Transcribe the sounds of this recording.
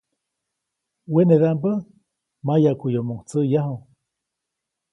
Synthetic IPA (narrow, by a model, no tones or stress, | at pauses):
weneðambə | majakujomuŋt͡səjaɦoŋ